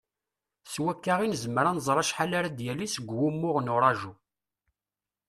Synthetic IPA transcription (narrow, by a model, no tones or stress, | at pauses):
swækːaʁinəzəməɾanzˤɾˤɑʃħalaɾad̪jælisəɡʷwumːʊʁnʊɾˤɑʒu